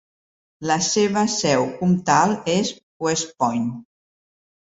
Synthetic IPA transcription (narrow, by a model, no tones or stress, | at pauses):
ləseβəsɛwkumt̪alˠes | wespɔjn